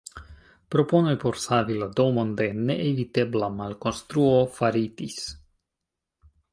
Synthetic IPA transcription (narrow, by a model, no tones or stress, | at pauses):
pɾoponojpoɾsavilad̪omond̪eneʔevit̪eblamalkonst̪ɾuofaɾit̪is